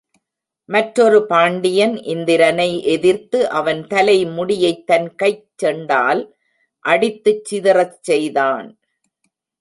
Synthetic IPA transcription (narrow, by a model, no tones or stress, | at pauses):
mɐʈɾɔɾɯpaːɳɖɪjɐnʔɪnd̪ɪɾɐnɐɪʔɛðɪɾt̪ɯʔɐʋɐnt̪ɐlɐɪmʊɽɪjɐɪt̪ːɐnkɐɪt͡ʃːɛɳɖaːl | ʔɐɽɪt̪ːɯt͡ʃːɪðɪrɐt͡ʃsɛjðaːn